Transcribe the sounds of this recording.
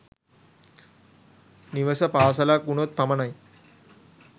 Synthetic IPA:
niʋɐsɐpaːsɐlakunot̪̚pɐmɐnɐj

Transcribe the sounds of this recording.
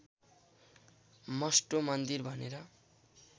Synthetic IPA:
mʌsʈomʌnd̪irbʱʌneɾʌ

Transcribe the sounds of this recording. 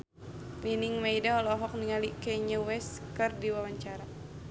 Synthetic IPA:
miniŋmajdaɔlɔɦɔk̚niŋalikɛɲəwɛskɨrdiwawaɲt͡ʃaɾa

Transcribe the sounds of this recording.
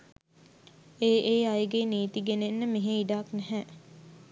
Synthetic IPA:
eːʔeːajəɡeneːt̪iɡenenːəmeɦeiɖaːknɛɦɛː

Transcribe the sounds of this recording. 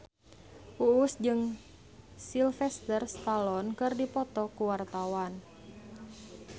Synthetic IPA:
ʔuusd͡ʒɨŋ | silfɛst̪ərst̪alɔnkɨrdipɔt̪ɔkuwart̪awan

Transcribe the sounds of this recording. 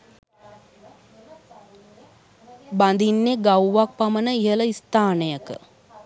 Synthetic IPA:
band̪inːeɡawʋak̚pamənəiɦələist̪aːnəjəkə̰

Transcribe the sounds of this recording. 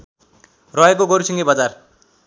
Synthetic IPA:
rʌekoɡoɾusʰiŋɡʌbʌd͡zar

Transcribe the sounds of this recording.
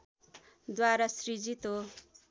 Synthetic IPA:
d̪waɾasrid͡zit̪o

